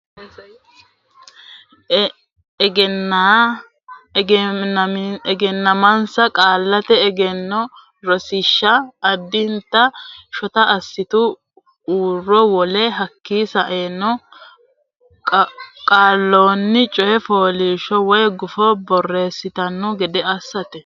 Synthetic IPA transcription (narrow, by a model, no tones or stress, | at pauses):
ɡɛ | ɡɛnːɐmɐnsɐkʼaːlːɐt̪ɛːɡɛnːɔ | ɾɔsɪʃːɐːd̪ːɪnt̪ːɐʃɔt̪ɐʔɐsːɪt̪ʊ | uːrːɔwɔlɛɦɐkːiːsɐʔeːnːɔ | kʼaːlːoːnːɪt͡ʃʼɔhɛfoːliːʃɔwɔjɡʊfɔbɔrːe̞ːsːɪt̪ɐnːɔɡɛd̪ɛɐsːɐt̪ɛ